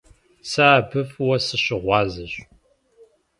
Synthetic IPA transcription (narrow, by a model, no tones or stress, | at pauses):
saːbʰɨfwɐsɨɕɪʁʷɑːzɨɕ